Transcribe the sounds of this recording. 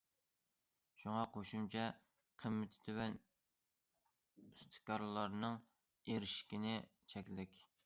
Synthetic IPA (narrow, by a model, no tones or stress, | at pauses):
ʃuŋɑqʰoʃumt͡ʃʰɛ | qʰəmːɪt̪ʰɪ̥t̪ʰɪwɛn | yst̪ʰɨ̥kʲɑɾlˠɑɾnɨŋ | eɾɪʃkʲinɪt͡ʃʰɛkʲlɪkʲ